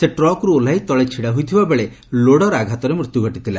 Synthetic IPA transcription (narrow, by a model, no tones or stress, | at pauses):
seʈɾɔkɾuolajt̪ɔɭet͡ʃʰiɽaɦujt̪ʰibabeɭe | loɽɔɾaɡʱat̪ɔɾemɾut̪juɡʱɔʈit̪ʰila